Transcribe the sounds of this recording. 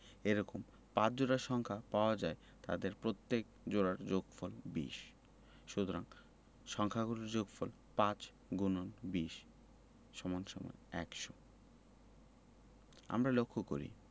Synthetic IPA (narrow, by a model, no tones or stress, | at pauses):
eɾɔkom | pãt͡ɕd͡ʑoɾaʃɔŋkʰapaoad͡ʑae | t̪a̰d̪eɾpɾot̪ːek̚ | d͡ʑoɽaɾd͡ʑoɡfolbḭʃ | ʃut̪oɾaŋ | ʃɔŋkʰaɡunoɾd͡ʑoɡfʰol | pãt͡ɕ | ɡunonbiʃ | ʃɔmonʃɔmɔ̰eɛ̰kʃo | a̰mɾalokʰːoko̰ɾḭ